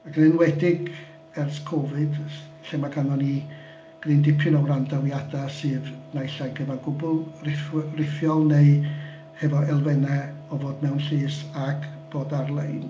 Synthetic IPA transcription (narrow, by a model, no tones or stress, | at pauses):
aɡnɛnwɛdɪɡ | ɛrskʰɔvɨd | ɬemaɡʰanɔni | ɡ̥rɨndɪpʰjʊnɔwrandawjadasɨːðnajɬajnɡəvanɡʊbʊlˠrɪrɪθjɔlˠneɨ | hɛvɔʔɛlˠvɛnɛ | ɔvoːdmɛwnɬɨːsakb̥oːdarlˠejn